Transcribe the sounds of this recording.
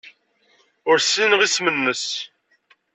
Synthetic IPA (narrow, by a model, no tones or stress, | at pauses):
ʊɾsinəʁismənːəs